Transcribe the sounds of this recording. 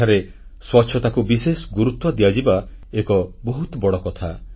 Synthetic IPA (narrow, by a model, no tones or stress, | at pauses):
aɾe | swɔtːʃʰɔt̪akubisesɔ̥ɡuɾut̪wɔd̪ijad͡ʒiba | ekɔbɔɦut̪bɔɽɔkɔt̪ʰa